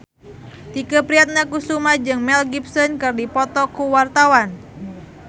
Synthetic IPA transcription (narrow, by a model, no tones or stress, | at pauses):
t̪ikəpɾiat̪̚ɲakusumad͡ʒɨŋmɛlɡip̚sɔnkɨrdipɔt̪ɔkuwart̪awan